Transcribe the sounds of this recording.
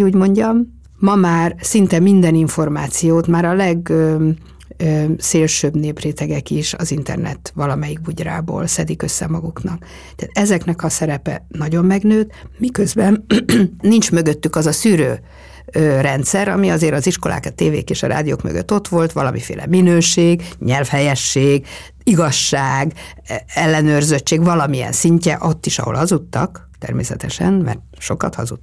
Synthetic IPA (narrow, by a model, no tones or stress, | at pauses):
uːɟmo̞ɲɟɒmː | ɒmaːrsint̪ɛmind̪ɛniɱfo̞rmaːt̪sijoːt̪maːɾɒlɛɡø | øseːlʃøːbneːpreːt̪ɛɡɛkiʃɒ̰zint̪ɛ̰rnɛ̰t̪ʋɒlɒmɛjiɡ̚buɟra̰ːbo̰ːlsɛd̪ikø̞sːɛ̰mɒɡuknɒk | t̪ɛaːt̪ɛzɛknɛkɒsɛɾɛpɛ̰nɒɟo̞mːɛɡnøːt̪mikøzbɛnː | int͡ʃmøɡøt̪ːykɒzɒsyːɾøː | ørɛnt̪sɛɾɒ̰miɒzeːɾɒziʃko̞la̰ːkɒt̪eːvḛːkeːʃɒɾa̰ːd̪ijo̰ːkmø̰ɡø̰t̪ːo̞t̪ʋo̞lt̪ʋɒlɒmifḛːlɛ̰minøːʃeːɡɲɛlfhɛjɛʃːeːɡ | iɡɒʃːaːɡɛlːɛnøːrzøt͡ʃːeːɡʋɒlɒmiɛ̰nsiɲcɛ̰ʔo̞t̪ːiʃɒ̰ɦolhɒzut̪ːɒk | t̪ɛ̰rmeːsɛt̪ɛʃɛnmɛ̰rt̪ʃo̞kɒt̪hɒ̰zṵ